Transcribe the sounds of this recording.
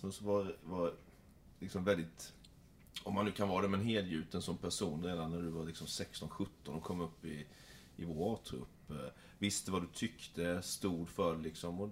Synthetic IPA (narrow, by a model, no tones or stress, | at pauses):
məsɔvaɾvaɾ | lɪksɔmvɛld̪ɪt̪ | ɔmːanːʉːkʰanvɑːɾad̪ɛmɛnɦeːd̪jʉ̟ːt̪ənsɔmpʰæʂuːnɾeːd̪anːæɖ̪ɵvaɾlɪksɔmsɛkst̪ɔnɧɵt̪ːɔnɔkʰɔmːɵpːɪ | ɪvoɾɑɾt̪ʰɾɵ̰pː | vɪst̪əvad̪ɵt̪ʰʏkt̪ʰəst̪uːɖ̪fœɾlɪksɔmɔ